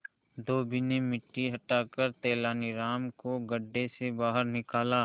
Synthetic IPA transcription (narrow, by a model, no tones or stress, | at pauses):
d̪oːbɪnemɪʈːiɦɐʈaːkəɾt̪ɛːlaːniɾaːmkoɡɐɖːesebaːɦəɾnɪkaːlaː